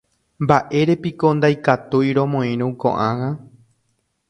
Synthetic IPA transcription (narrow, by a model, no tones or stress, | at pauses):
mbaʔe̞ɾe̞pikond̪ajkat̪ujɾõ̞mõĩɾũkõ̰ʔãŋã